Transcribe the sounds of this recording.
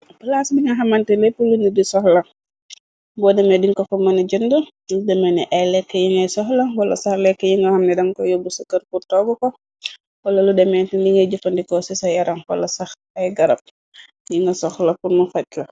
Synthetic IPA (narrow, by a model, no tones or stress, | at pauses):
pəlasdiŋɡɐɦɐmɐntɛlɛpːulunidisɔxlɐŋ | bɔːdɛmɛdiŋkɔfɐmɐnɐd͡ʒəndə | udɛmɛnɛʔɐjlɛkːəjiŋɡɐjsɔxlɐwɐlɐ̰sɐxlɛkːəjiŋɡɐhɐmnɛdɐŋkɔjobusukɐrpurtɔɡukɔ | wɐlɐludɛmɛntindiŋɡɐd͡ʒufɐndikɔsisɐjɐɾɐŋwɐ̰lɐsɐx | ɐjɡɐɾɐp̚ | jiŋɡɐsɔxlɐpurmufɐc̚kɐ